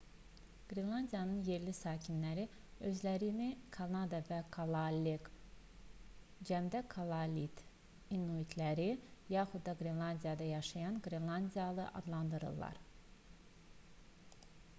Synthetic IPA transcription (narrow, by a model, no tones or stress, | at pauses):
ɡ̥ɾinlˠɑnd̪ijɑnɯnje̞ɾlisɑːcʰinlæɾi | ø̞zlæɾinikʰanɑd̪ɑvækʰalˠaleɡ | d͡ʒæmd̪ækʰalˠɑlʲit̪ | inuit̪ʰlæɾijɑːxud̪ːɑɡɾinlˠɑnd̪ijɑd̪ɑjɑʃɑjɑnɡɾinlˠɑnd̪ijɑlˠɯʔɑ̰d̪lˠɑnd̪ɯɾɯ̰lˠːɑ̰ɾ